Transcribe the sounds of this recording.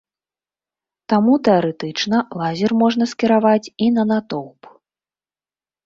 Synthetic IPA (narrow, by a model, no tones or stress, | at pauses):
t̪amut̪ɛaɾɛt̪ɨt͡ʂnɐlˠazʲɛrmɔʐn̪ɐsʲkʲiɾavat͡sʲinɐnat̪ɔwp